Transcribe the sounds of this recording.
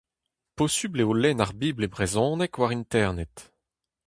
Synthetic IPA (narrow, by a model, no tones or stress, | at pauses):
posybleolɛnaʁbiːblebʁezɔ̃ːnɛkwaʁint̪ɛʁnɛt̪